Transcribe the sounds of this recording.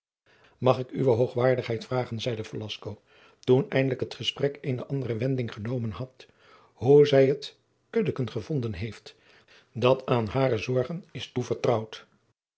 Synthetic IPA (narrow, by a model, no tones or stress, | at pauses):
mɑχɪkyʋəɦowχʋaːɹdəχɦɛjtfraːχənzɛjdəfəlɑskow | tunɛjndələkɦətχəsprɛkeɪnəʔɑndərəʋɛndɪŋχənowmənɦɑt | huzɛjɦət | kɵdəkənχəv̥ɔndənɦejft | dɑtʰaːnɦaːrəzɔɹχənɪstuvəɹtrɑwt